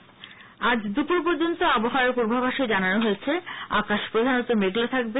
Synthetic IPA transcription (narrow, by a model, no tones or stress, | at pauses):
ad͡ʑd̪upuɾp̬oɾd͡ʑont̪oɔboɦaopuɾbʱabʱaʃed͡ʑananoɦojet͡ɕʰea̰kaʃpɾod̪ʱanot̪omeɡlot̪ʰak̚be